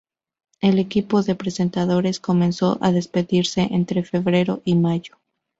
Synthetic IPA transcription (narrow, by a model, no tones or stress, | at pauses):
e̞le̞kipo̞ðe̞pɾese̞nt̪aðo̞ɾe̞sko̞mẽ̞nso̞ʔaðe̞spe̞ðiɾse̞ʔent̪ɾe̞fe̞βɾe̞ɾo̞ʔimaʝo̥